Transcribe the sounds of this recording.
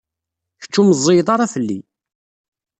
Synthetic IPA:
çə̥t͡ʃːuməzˤːejd̪ˤɑɾˤɑθəlːḭ

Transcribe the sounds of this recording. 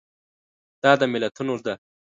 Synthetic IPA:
d̪̥ɑːd̪ɐmɪlɐt̪ʰunoɾd̪a

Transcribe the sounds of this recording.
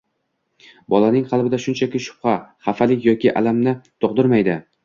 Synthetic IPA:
bɒlˠanɪŋχɑlˠbɪd̪aʃʊnt͡ʃʰakʲɪʃʊ̥pχaχafalɪkʲjɒkʲɪʔa̰lamnɪt̪ʰoqd̪ɪɾmajd̪ɪ

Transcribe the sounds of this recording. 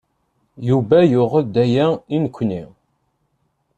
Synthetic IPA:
juvæjʊʁəd̪æjæinəkʷʰːni

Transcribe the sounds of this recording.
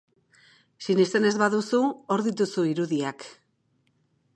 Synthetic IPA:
sinest̪e̞ne̞zβaðusuo̞ɾðit̪usuiɾuðiak

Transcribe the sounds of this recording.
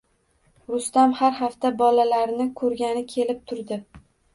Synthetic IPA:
ɾʊst̪amhaɾhaft̪abɒlalaɾnɪkʰɵɾɡʲanɪkʲʰe̞lɪp̚t̪ʰʊɾd̪ɪ

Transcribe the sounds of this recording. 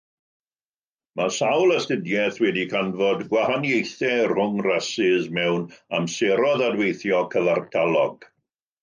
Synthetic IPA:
masawlˠəstədjɛθwɛdikʰanvɔdɡwahanjejθɛr̥ʊŋrɛsɪzmɛwnamsɛɾɔðadwejθjɔkʰəvartʰalˠɔɡ̥

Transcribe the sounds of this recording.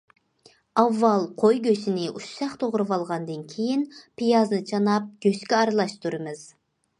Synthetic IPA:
ɑvːɑlˠqʰojɡʲøsɪnɪʔuʃsɑχt̪ʰoʁɾɨvɑlˠʁɑnd̪ɨnkʲʰejinpʰijɑznɨt͡ʃʰɑnɑp̚ɡʲøskʲɛɑɾɨlˠɑʃt̪ʰuɾɨmɨz̥

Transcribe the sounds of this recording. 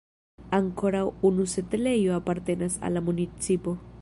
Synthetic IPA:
aŋkʰo̞ɾawunuse̞tele̞joapaɾte̞nasa̰lːamunit͡sipo̞

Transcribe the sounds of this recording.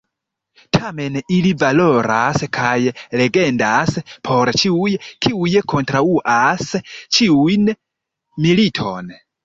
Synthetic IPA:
tʰamenilivaloɾaskʰajleɡendaspʰoɾt͡ʃiujekiujekʰontɾauʔast͡ʃiujn | militʰo̰n

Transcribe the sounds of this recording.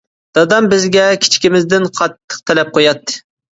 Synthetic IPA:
d̪̥ɑd̪ɑmbɪzɡʲɛkʲʰi̥t͡ʃʰi̥kʲimɪzd̪ɪnqʰɑt̪ʰːə̥q̚t̪ʰɛlɛp̚qʰojɑt̪ʰːɨ̥

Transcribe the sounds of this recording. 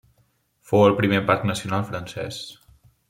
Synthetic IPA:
fowəlˠpɾimepaɾknəsiunalˠfɾənsɛ̰s

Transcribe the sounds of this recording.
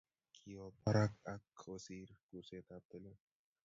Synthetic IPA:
kʰijopʰɐɾakɐkʰoːsiːɾkuseːt̪aːp̚t̪əlo

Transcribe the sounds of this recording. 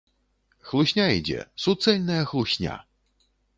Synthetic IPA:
xlˠusʲnʲaid͡zʲɛ̰sut̪sɛlʲnɐjɐxlˠuɕʲnʲa̰

